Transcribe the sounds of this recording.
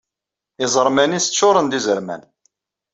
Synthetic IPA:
ɪzˤəɾˤmænisət͡ʃːʊɾˤənd̪izəɾmæ̰n

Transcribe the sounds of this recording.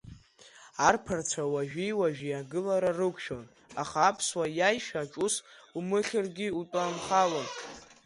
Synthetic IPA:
arpʰart͡sʷʰawaʒᶣijwaʒᶣiaɡɨlaɾarɨkʷʰʃo̞n | aχaːpʰswajajʃᶣaʈ͡ʂʼusumɨχʲɪrɡʲiutʷʼanχalon

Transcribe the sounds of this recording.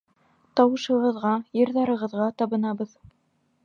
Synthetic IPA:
t̪ɑwɤ̆ʃɤ̆ʁɤ̆ðʁɑjɤ̆ɾðɑɾɤ̆ʁɤ̆ðʁɑt̪ɑβɤ̆nɑbɤð

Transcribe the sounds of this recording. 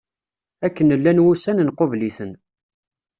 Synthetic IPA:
ækːənəlːænwusænənqovliθən

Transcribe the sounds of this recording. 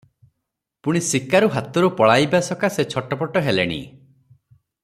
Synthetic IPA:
puɽ̃isikaɾuɦat̪ɔɾupɔɭajbasɔkaset͡ʃʰɔʈɔpɔʈɔɦelḛɽ̃ḭ

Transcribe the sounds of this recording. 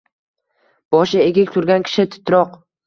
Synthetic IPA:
b̥ɒʃɪeɡʲɪkʲt̪ʰʊɾɡʲankʲʰɪ̥ʃɪt̪ʰɪ̥t̪ʰɾɒq

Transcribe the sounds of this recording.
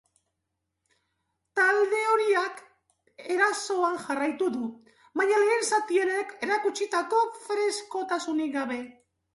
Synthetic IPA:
t̪ald̪e̞o̞ɾiak | e̞ɾaso̞anʝarajt̪uðu | βaɲale̞ːnsat̪ie̞ne̞ke̞ɾakut͡ʃit̪ako̞fɾe̞sko̞t̪asuniɡaβe̞

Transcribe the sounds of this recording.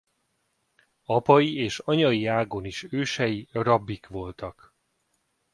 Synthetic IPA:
ɒpɒjieːʃɒɲɒjiaːɡoniʃøːʃɛjirɒbːikʋo̞lt̪ɒk

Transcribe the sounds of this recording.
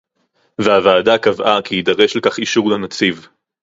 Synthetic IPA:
veavaːdakavʔakiidɐʁe̞ʃlkaχiʃuʁlanat͡siv

